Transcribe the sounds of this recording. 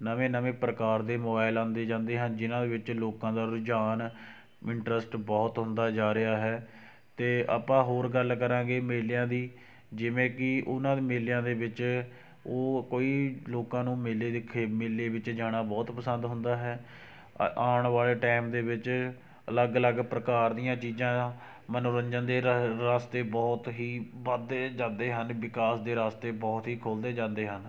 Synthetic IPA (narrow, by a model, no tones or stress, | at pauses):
nəʋẽːnəʋẽːpɾəkaːɾd̪eːmobaːɪlãːnd̪eːd͡ʒãːnd̪eːɦãːd͡ʒɪnãːd̪eːʋɪt͡ʃloːkãːd̪aːɾʊd͡ʒaːn | ɪɳʈɾəsʈbɔːt̪ɦʊ̃nd̪aːd͡ʒaːɾɪaːɦɛː | t̪eːʔa̰ːpãːɦoːɾɡəlːkəɾãːɡeːmeːljãːd̪iː | d͡ʒɪʋẽːkɪʔʊnãːd̪eːmeːljãːd̪eːʋɪt͡ʃ | oːkoːiːloːkãːnũːmeleːd̪kʰeːmeːleːʋɪt͡ʃd͡ʒaːɽ̃aːbɔːt̪pəsənd̪ɦʊnd̪aːɦɛː | aːɳʋaːleːʈɛːmd̪eːʋɪt͡ʃ | ələɡələɡpɾəkaːɾd̪ijãːt͡ʃiːzãː | mənoːɾəɲd͡ʒənd̪eːɾaːst̪eːbɔːt̪ɦiːʋəd̪eːd͡ʒãːnd̪eːɦənʋɪkaːsd̪eːɾaːst̪eːbɔːt̪ɦiːkʰoːld̪eːd͡ʒãːnd̪eːɦən